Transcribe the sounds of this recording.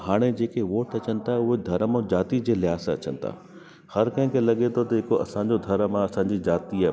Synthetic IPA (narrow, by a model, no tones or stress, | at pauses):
ɦaːɽ̃ed͡ʑeːkeʋoːʈɐt͡ɕənɪ̆t̪ʰaɦʊɦed̪ʱɐɾəmõd͡ʑaːt̪id͡ʑeːlɪɦaːsɐt͡ɕə̰nɪ̆t̪ʰa̰ː | hɐɾkɐɦɪ̃kʰelɐɠet̪ʰot̪ɐɦɪkoʔɐ̰sãɲd͡ʑod̪ʱɐɾəmãɐsãːɲd͡ʑid͡ʑaːt̪ia